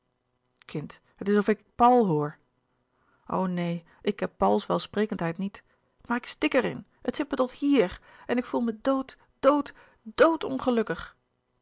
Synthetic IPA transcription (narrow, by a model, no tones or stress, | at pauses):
kʰɪnt | ɦətɪsɔfɪkpʌwlˠɦoːɹ | ʔo̰wnej | ʔɪkɦɛpːʌwlˠsʋɛlˠsprejkəntɦɛjtnit | maːɹɪkstɪkəɾɪ̰n | ətsɛt̚mətɔthiːɹɛnɪkfulˠmədowt | d̥owt | d̥owtɔ̰nχəlɵkəχ